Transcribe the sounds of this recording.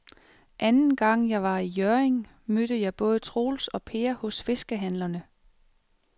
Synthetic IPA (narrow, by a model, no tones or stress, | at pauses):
ʔænn̩ɡ̥ɑ̈ŋ̰jɑ̈ɪʋɑ̈ijœɐeŋ | mød̥əjɑ̈ɪb̥ɔ̽ːð̞ˠət͡sʰʁo̝̰ːlsɒ̽pʰe̝ːɐhɔ̽sfe̝sɡ̥əɦæn̰lɐnə